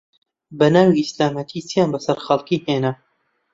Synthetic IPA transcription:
bɐnaːwiislaːmɐt̪ʰiːt͡sijaːnbɐsɐɾχɐlˠkiːheːnɐ

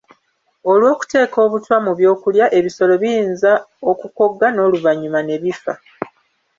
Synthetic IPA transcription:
o̞lwo̞ːku̥te̞ːko̞ːβutwamuβjo̞ːkuljaʔe̞βiso̞lo̞βijiːnzaokuko̞ɡːano̞ːluvaɲːumane̞βifa̰

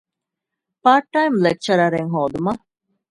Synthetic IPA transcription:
paːɾʈːajmlek̚t͡ʃɐɾɐɾeŋɦoːd̪umɐ

